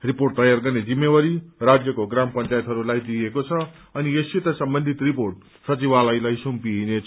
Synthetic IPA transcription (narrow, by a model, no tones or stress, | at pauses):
riporʈ̚t̪ʌjarɡʌrned͡zimːewʌɾirad͡zjʌkoɡrampʌnt͡sajt̪ɦʌɾulajd̪iekot͡sʰʌ | ʌniesit̪ʌsʌmbʌnd̪ʱit̪riporʈ̚ | sʌt͡sibalʌjlajsumpiɦine